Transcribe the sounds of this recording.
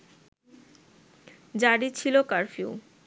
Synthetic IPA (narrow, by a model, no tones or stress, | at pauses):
d͡ʑaɽit͡ɕʰilokaɾfiṵ